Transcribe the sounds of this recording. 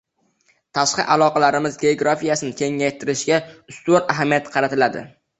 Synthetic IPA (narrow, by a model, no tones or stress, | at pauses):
t̪ʰaʃqɨʔalˠɒqɑlaɾɪmɪzɡʲe̞oɡɾafijasɪnɪkʲʰe̞ŋːajt̪ʰɪɾɪʃɡʲaʊst̪onaɦamijat̪qʰɑɾat̪ʰɪlad̪ɪ̰